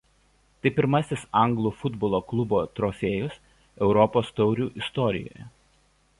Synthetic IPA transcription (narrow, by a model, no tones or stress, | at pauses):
t̪ɐɪpʲɪɾmɐsʲɪsɐˑŋɡlˠuːfʊd̪bɔːlˠoːklˠʊboːt̪ɾɔfʲeːjʊs | ɛʊɾɔpoːst̪ɒʊɾʲuːʔɪst̪ɔɾʲɪ̰jo̰ːjɛ